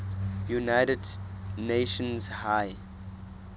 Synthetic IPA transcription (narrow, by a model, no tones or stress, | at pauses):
junaɪtədneʃə̃nzhaj